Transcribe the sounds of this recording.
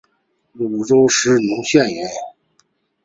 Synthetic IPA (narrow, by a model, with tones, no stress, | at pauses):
lu˨˩˨ʈ͡ʂo˥ʊʂɻ̩˧˥nʊ˧˥ŋɕjɛ˥˩nɥɛ˧˥n